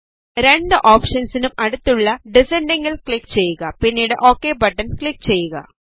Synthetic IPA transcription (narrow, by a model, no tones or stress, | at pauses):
ɾe̞ɳɖɨʔoːpʂɐnsinumɐɽut̪ːuɭːɐɖisenɖeŋɡilkɭikːt͡ɕe̞jːuɣɐpinːiːɽḛʔo̞ːkːeːbɐʈːɐnkɭikːt͡ɕe̞jːuɣɐ̰